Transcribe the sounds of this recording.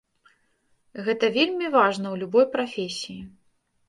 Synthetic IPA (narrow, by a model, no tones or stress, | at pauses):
ɣɛt̪ɐvʲelʲmʲivaʐnɐwlʲubɔjpɾafʲesʲiji